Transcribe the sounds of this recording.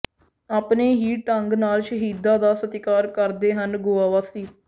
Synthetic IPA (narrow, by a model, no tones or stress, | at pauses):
aːpneːɦiːʈəŋɡnaːlʃəɦiːd̪ãːd̪aːsət̪ɪkaːɾkəɾd̪eːɦənɡoːaːʋaːsiː